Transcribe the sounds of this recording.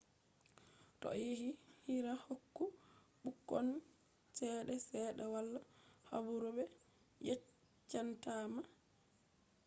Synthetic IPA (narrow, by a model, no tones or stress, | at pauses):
tɔ̰jeɦihiɾahokːu | ɓukːɔn | sɛɗɛsɛːɗɛwalːaha̰buɾubɛ | jɛ | t͡ʃːantama